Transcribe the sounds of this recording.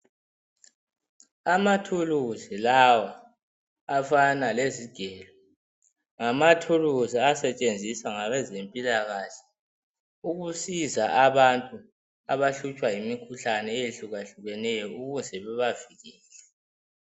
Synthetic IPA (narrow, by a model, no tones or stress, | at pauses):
amatʰuluzilawaː | fanaleziɡ̥ʱɛːlɔ | ŋamatʰuluziasɛt͡ʃʼend͡zʱisaŋaβɛzempʼilaɣaɬɛ̥ | uɣusizaʔaβantʼu | aβaɬut͡ʃʼwajimikʰuɬanɛejiɬuɣaɬuɣɛnɛjɔuɣuzɛβɛβaviɣiːlɛ